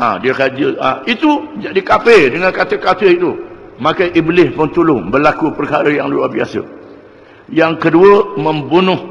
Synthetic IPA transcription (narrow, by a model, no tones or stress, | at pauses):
a̰diəkad͡ʒəait̪ud͡ʒadikapedəŋãnkat̪əkat̪əit̪u | makajʔiblɪspʊŋt̪ulʊŋbərlakupərkaɾəjaŋlua̰hbiasə̰ | jaŋkəduəmə̃mbunʊh